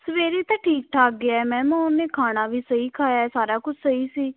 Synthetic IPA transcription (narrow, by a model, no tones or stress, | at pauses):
səʋeːɾeːt̪ãːʈʰiːk̚ʈʰaːk̚ɡɪaːɛːmɛ̃ːmãːnːeːkʰaːɽ̃ãːʋiːsəiːkʰaːjaːɛːsaːɾaːkʊt͡ʃʰsəiːsiː